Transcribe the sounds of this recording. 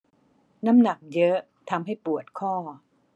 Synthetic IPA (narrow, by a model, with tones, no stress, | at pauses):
na˦˥mna˨˩k̚jɤ˦˥ | t̪ʰa˧mɦa˥˩jpu˨˩ət̪̚kʰɔː˥˩